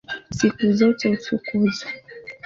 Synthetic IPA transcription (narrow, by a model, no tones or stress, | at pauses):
sikuzɔtɛut͡ʃukuza